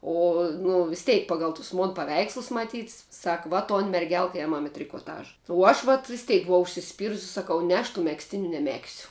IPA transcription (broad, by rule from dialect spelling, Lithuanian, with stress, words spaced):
ˈoː nʊ ʋʲɪs ˈtʲɛɪk ˈpɑːɡɐlˠ tʊs moːn pɐˈʋʲɛɪkslˠʊs mɐˈtʲiːt sɐk ʋɐ toːn mʲɛrʲˈɡʲɛlˠk ˈeːmɐm ɪ tʲrʲɪkoːˈtɑːʒɐ uɔ ˈɐʃ ʋɐt ʋʲɪsʲˈtʲɛɪk bʊˈʋɐʊ ʊʃʲsʲɪsʲˈpʲiːrʊsʲɪ sɐˈkɐʊ ˈnʲɛ ɐʃ tuː mʲɛksʲˈtʲɪnʲʊ nʲɛˈmʲæːksʲʊ